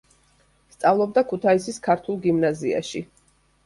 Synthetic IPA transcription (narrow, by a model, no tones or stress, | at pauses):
st̪sʼavlˠɔb̚d̪akʰut̪ʰaisiskʰaɾt̪ʰulˠɡimnazia̰ʃi